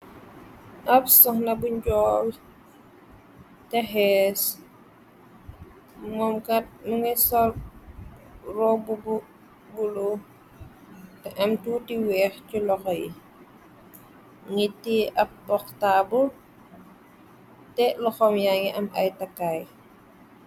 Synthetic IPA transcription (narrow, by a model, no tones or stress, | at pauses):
ʔɐp̚sɔŋnabuɲɟɔːl | tɛɦɛs | mɔmkat̚məŋɛsɔl | rɔbubu | bulu | tɛʔɐmtuːtiwɛːxculɔxɔjḭ | ŋitːiʔɐp̚ːɔxtabu | tɛlɔxɔmjaŋiʔɐma̰jtakaj